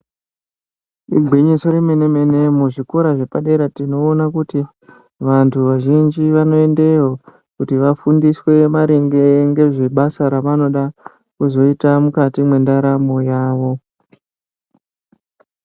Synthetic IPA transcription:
iɡʱwiɲiso̞ɾime̞neme̞ne̞muʐiko̞ɾaʐe̞paɗe̞ɾatino̞ːnakuti | ʋantʰuʋaʒind͡ʒiʋano̞e̞ndejo | kutiʋafundiswe̞maɾeŋɡe̞ŋɡe̞ʐe̞ɓasaɾaʋano̞ɗa | kuzo̞itamukatimwe̞ndaɾamojaːʋo̞

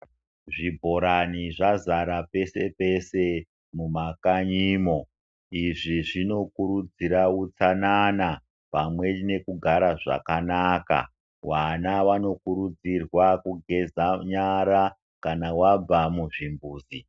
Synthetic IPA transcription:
ʐibʱo̞ɾaniʐazaɾape̞se̞pe̞se̞ | mumakaɲiːmo̞ | iʐiʐino̞kuɾud͡ziɾaut͡sanana | pamwe̞ne̞kuɡʱaɾaʐa̰kanaka̰ | wanaʋano̞kuɾud͡zirwakuɡʱe̞zaɲaɾa | kanawab͡vamuʐimbuːzi

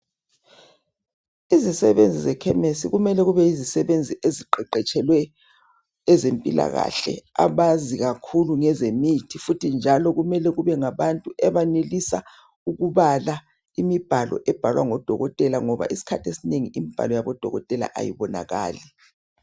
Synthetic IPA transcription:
izisɛβend͡zʱizɛkʰɛmesiɣumɛlɛɣuβɛizisɛβend͡zʱiʔeziǃɛǃɛt͡ʃʼɛlwɛː | zempʼila̰ɣa̰ɬɛ̰a̰βaziɣakʰuluŋɛzemitʰifutʰind͡ʒʱalɔɣumɛlɛɣuβɛŋaβantʼuɛβanelisa̰ | uɣuβala | imib̥ʱalɔ̰ʔɛb̥ʱalwa̰ŋɔd̥ʱɔɣɔtʼɛlaŋɔβa̰ʔisi̥kʰatʰesineŋiimib̥ʱa̰lɔjaβɔd̥ʱɔ̰ɣɔ̰tʼɛla̰ʔa̰jḭβɔna̰ɣa̰ːli

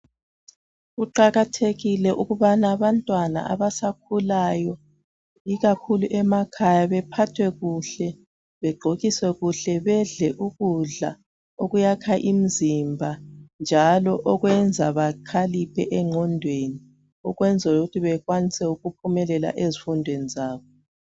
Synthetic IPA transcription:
uǃaɣatʰeɣilɛʔuɣuβanaːβantʼwana̰a̰βasakʰulajɔ | iɣakʰuluʔɛmakʰajaβɛpʰatʰwɛɣuɬɛ | βɛɡ͡ǃʱoɣiswɛɣuɬɛβɛɮɛʔuɣuɮa̰ | oɣujakʰaʔim̩zimbʱand͡ʒʱalɔʔɔɣwɛnd͡zʱaβakʰalipʰɛʔɛŋʱɔndʱweni | ɔɣwɛnd͡zʱuuɣutʰiβɛɣwanisɛuɣupʰumɛlɛla̰ʔezifundʱwenizaːβɔ

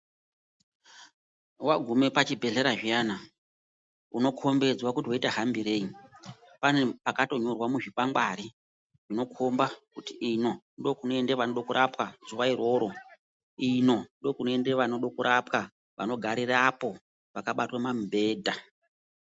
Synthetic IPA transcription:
waɡʱume̞pat͡ʃibʱe̞ɮe̞ɾaʐijana | uno̞kʰo̞mbe̞d͡zwakutiwaitaɦambiɾe̞i | pane̞pakato̞ɲo̞rwamuʐikwaŋɡwaɾi | ʐ̥ino̞kʰombakutiino̞ | ndo̞kunoe̞ndeʋanoɗo̞kuɾʔapkaz̥uʋairwo̞ːɾo̞ | ino̞ndo̞kunoendeʋanoɗokuɾʔapka | ʋa̰no̞ɡʱaɾirapo̞ | ʋakaɓatwamambe̞ːdʱa

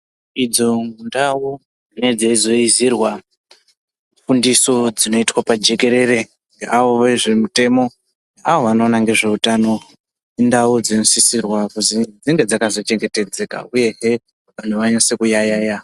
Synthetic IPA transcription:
id͡zo̞ŋɡundau | ne̞d͡zeizo̞izirwa | fundiso̞d͡zino̞itwapad͡ʒe̞ke̞ɾe̞re̞ | ŋɡeʔaʋo̞ʋeʐimute̞mo̞ | aʋo̞ʋano̞ːnaŋɡe̞ʐe̞utano̞ | ndaud͡zino̞sisirwakuzid͡ziŋɡe̞d͡zakazo̞t͡ʃe̞ŋɡe̞te̞d͡ze̞ka̰uje̞ɦe | ʋan̤tʰuʋaɲosekujajaːja

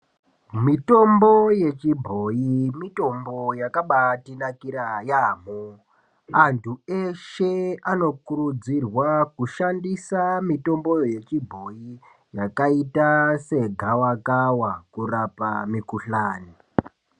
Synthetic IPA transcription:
mito̞mbo̞je̞t͡ʃibʱo̞jimito̞mbo̞jakaɓatinakiɾajaːm̤o | antʰue̞ʃe̞ano̞kuɾud͡zirwakuʃandisamito̞mbo̞je̞t͡ʃibʱo̞i | jakaitase̞ɡʱawakawakurapamikuɬaːni

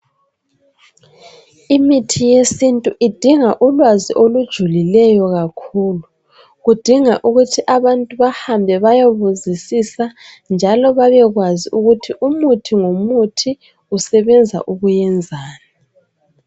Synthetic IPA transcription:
imitʰijesintʼuʔid̥ʱiŋaʔulwaziʔolud̥ʒ̥ʱulilɛjɔɣakʰuːlu | ɣud̥ʱiŋaʔuɣutʰiʔaβantʼuβahambʱɛβajoβuzisisa | nd͡ʒʱalɔβaβɛɣwaziuɣutʰiʔumutʰiŋomutʰi | usɛβɛnd͡zʱa̰ʔuɣujɛnd͡zʱaːna

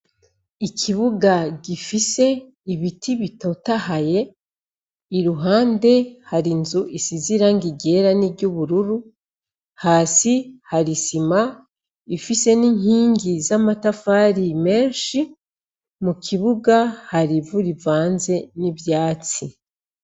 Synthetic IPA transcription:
ikʰiβuɡaɟifise̞ | iβitʰiβito̞tahaje̞ | iɾuɦaːnde̞haɾinzuʔisiziɾaŋɡiɟe̞ɾaniɾɟuβuɾuɾu | haːsihaɾisima | ifise̞niŋhiːŋɡizamatafaːɾime̞ːnʃi | mukʰiβuɡahaɾivuɾivaːnze̞niβjaːt͡si

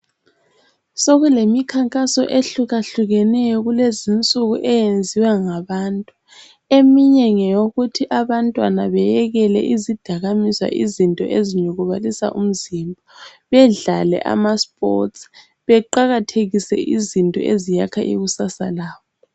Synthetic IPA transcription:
soɣulemikʰaŋkʼasɔ̰ʔeɬuɣaɬuɣɛnɛjɔɣulezint͡sʼuɣuʔɛjend͡zʱiwaŋaβaːntʼu | emiɲɛŋɛjoɣutʰiʔaβantʼwanaβɛjɛɣɛlɛ̰ʔizid̥ʱaɣamiswa̰ʔizintʼɔ̰ʔeziɲɛɣuβalisa̰ʔum̩zimbʱa | βɛɮalɛ̰ʔa̰maspʼɔ̰ts | βɛǃaɣatʰeɣisɛ̰ʔizintʼɔ̰ʔezijakʰa̰ʔḭɣusasalaːwɔ

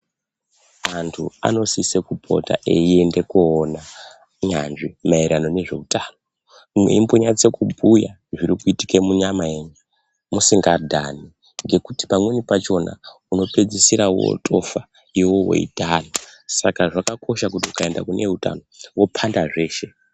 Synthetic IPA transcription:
antʰua̰no̞sisekupʰo̞̰ta̰ʔeie̞nde̞kuːna | ɲanʐimaiɾʔano̞ne̞ʐe̞̰utʰaːno | mwḛimboɲat͡se̞kubʱuja | ʐiɾikuiti̥kemuɲamaeɲu | musiŋɡadʱani | ŋɡe̞kuti̥pamwenipat͡ʃo̞na̰uno̞pe̞d͡zisiɾawo̰tʼo̞̰fa | iwo̞wo̞̰ḭtanosakaʐakakʰo̞ʃakutiukaenda̰kune̞uta̰no̞wo̞pʰandaʐe̞ːʃe̞

